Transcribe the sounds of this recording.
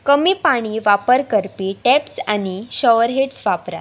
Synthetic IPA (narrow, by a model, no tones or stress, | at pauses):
kəmiːpaɽ̃iːʋapəɾkəɾpiːʈɛpsaniɕəʋəɾɦeʈsʋapɾa̰t̪